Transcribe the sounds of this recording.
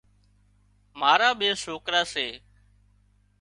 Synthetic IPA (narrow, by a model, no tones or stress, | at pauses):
maːɾaːɓeːsoːkɾaːseː